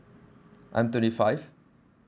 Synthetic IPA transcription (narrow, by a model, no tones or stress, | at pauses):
ʔã̰j̃mt̪ʰɛ̃ntifaɪv